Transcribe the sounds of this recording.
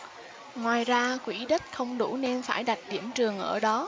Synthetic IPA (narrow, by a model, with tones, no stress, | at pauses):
ŋwaː˨˩jzaː˧kwi˧˩ɗə˦˥t̚xə˧wŋ͡mɗu˧˩ne˧nfaː˧˩jɗa˨˩jk̚ɗi˧˩əmt͡ɕɨ˨˩əŋʔə̰ː˧˩ɗɔ˨˦